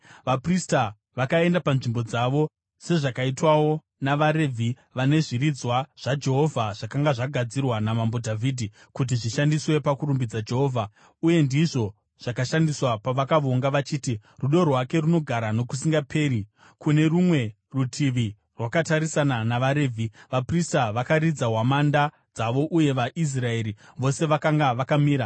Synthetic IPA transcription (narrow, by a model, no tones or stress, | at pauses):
ʋaprista | ʋakae̞ndapanʐimbo̞d͡zaʋo̞ | se̞ʐakaitwawo̞ | naʋaɾe̞vʱi | ʋane̞ʐirid͡zwaʐ̥ad͡ʒe̞ɦo̞vʱaʐ̥akaŋɡaʐaɡʱad͡zirwanamambo̞dʱavʱiːdʱi | kut̬iʐiʃandiswe̞pakuɾumbid͡zad͡ʒe̞ɦoːvʱa | uje̞ndiʐo̞ | ʐ̥akaʃandiswapaʋakaʋoŋɡaʋat͡ʃiːtiruɗo̞rwake̞runo̞ɡʱaɾano̞kus̬iŋɡapʰe̞ːɾi | kune̞rumwe̞ | rutʰiʋi | rwakataɾisananaʋaɾeːvʱiʋapristaʋakaɾid͡zaɦwamanda | d͡zaʋo̞ʔuje̞ʋaʔis̬rae̞ːɾiʋo̞se̞ʋakaŋɡaʋakamiːɾa